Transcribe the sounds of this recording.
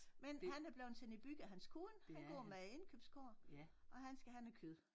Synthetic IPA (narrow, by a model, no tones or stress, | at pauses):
menhænæɐb̥leʊnsʰenib̥yɡ̥əæɦænskʰuːnhænɡ̥ɔɐmee̝nkʰøb̥skʰo̰ɐ̰ʔɒ̽ɦænsɡ̥æhænækʰyðˠ